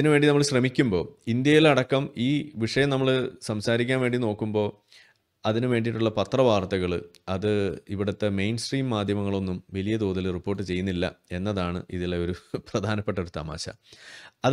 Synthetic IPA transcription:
ɐinɨʋe̞ːɳɖinɐmːɐɭɕrɐmikʲːumbo̞̰ːind̪jɐjilɐɽɐkːɐmiːʋiʂɐjɐmnɐmːɐɭsɐmsaːɾikʲːaːnʋe̞ːɳɖino̞ːkːumbo̞ː | ɐðinɨʋe̞ːɳɖiʈːuɭːɐpɐt̪rɐʋaːrt̪ɐɣɐɭɐðɨiʋiɽɐt̪ːemejnsʈriːmːaːd̪ʱjɐmɐŋːɐɭo̞nːumʋɐlijɐd̪oːðɐlripːo̞ːrʈːɨt͡ɕe̞junːilːɐ̰e̞nːɐðaːɳɨ̰iðilːeo̞ɾuprɐd̪ʱaːnɐpːeʈːɐo̞ɾut̪a̰ːma̰ːɕɐ̰ɐð

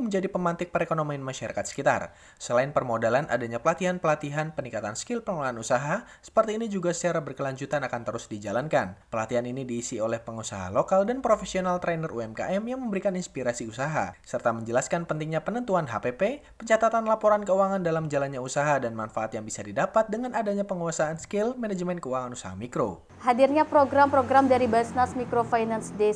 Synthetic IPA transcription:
məɲd͡ʒadipəmant̪ɪk̚pəɾekonominmaʃaɾakat̪sə̥kit̪a̰r | səlaɪnpərmodalanʔa̰daɲapəlat̪iɦanpəlat̪iɦanpənikat̪anskɪlpəŋulaanusaɦasə̥pərt̪iːnid͡ʒuɡasət͡ʃaɾabərkəlaɲd͡ʒut̪anakant̪əɾʊsdid͡ʒalankanpəlat̪iɦaninidiːsiolɛhpəŋusaɦa̰lokaldanpɾofesionalt̪ɾɛnərʔuɛmka̰ʔɛmjaŋməmbəɾikaninspiɾasiusaɦa̰sərt̪aməɲd͡ʒəlaskanpənt̪ɪŋɲapənənt̪uanɦa̰pepe | pəɲt͡ʃat̪at̪anlapoɾankəuaŋandalamd͡ʒalanɲausaɦadanmanfaat̪jaŋbisadidapat̪̚dəŋanadaɲapəŋuasaːnskɪlmɛnɛd͡ʒmɛnkəuwaŋanusaɦa̰mikɾo̰ | hadirɲapɾoɡɾampɾoɡɾamdaɾibasnasmikɾofainansde

